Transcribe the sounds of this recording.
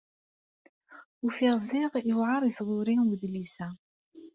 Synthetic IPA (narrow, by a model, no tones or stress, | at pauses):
ufiʁziʁəwʕɑɾˤiθðˤʊɾiwəðlisæ